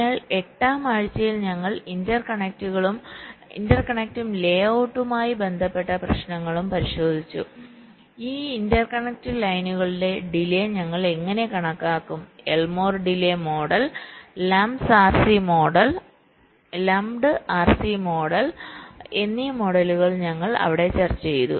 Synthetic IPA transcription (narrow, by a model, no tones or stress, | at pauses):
ɐɭe̞ʈːaːmaːɻit͡ɕːɐjilɲɐŋːɐɭindɐrkɐɳek̚tuɣɐɭumḭndɐrkɐɳek̚tumle̞ːɐwʈːumaːjibe̞nd̪ʱɐpːe̞ʈːɐprɐɕnɐŋːɐɭumpɐɾiɕo̞ːd̪ʱit͡ɕːṵ | iːindɐrkɐɳek̚tɨlɐjnuɣɐɭiɖe̞ɖileɲɐŋːɐɭe̞ŋːɐne̞kɐɳɐkːaːkːume̞lmo̞ːrɖilemo̞ːɽɐllɐmsaːrsimo̞ːɽɐl | lɐmɖɨʔaːrsimo̞ːɽɐlenːimo̞ɽɐluɣɐɭɲɐŋːɐɭɐ̰ʋiɽe̞t͡ɕɐrt͡ɕːt͡ɕejt̪ṵ